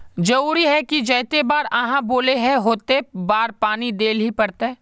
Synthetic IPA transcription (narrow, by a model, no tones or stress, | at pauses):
d͡ʒɐɾuːɾiɦɛkid͡ʒɐːt̪ebaːɾɐɦãboːleɦɛ̃ɦoːt̪ebaːɾpaːnid̪eːlɦipɐɽt̪eɛː